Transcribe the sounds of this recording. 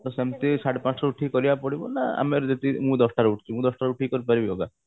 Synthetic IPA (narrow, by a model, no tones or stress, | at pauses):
t̪ɔsemt̪esaʈpãt͡ʃʰɾɔuʈʰikɔɾibapɔɽibɔnaa̰meɾd͡ʒet̪imũd̪ɔsʈaɾuʈʰit͡ʃʰumũd̪ɔsʈaɾuʈʰikɔɾipaɾibiɔ̰ɡa